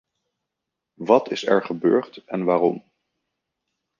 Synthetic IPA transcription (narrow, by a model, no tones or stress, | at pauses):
ʋɑtɪsɛ̰ɹχəbøːɹtɛnʋaːrɔm